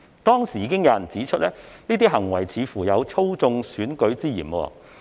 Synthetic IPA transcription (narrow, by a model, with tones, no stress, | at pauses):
t̪ɔː˥ŋsiː˨˩ji˨˧kɪ˥ŋjaː˨˩nt͡siː˨˥t͡ʃʰɵ˥t̚lɛː˥niː˥t̪iː˥ɦɐ˨˩ŋwɐ˨˩jt͡sʰiː˨˧fuː˨˩jɐ˨˧wt͡sʰo˥wt͡sʊ˧ŋsyː˨˥nkɵ˨˥ɥt͡siː˥jḭː˨˩nwɔ̰ː˧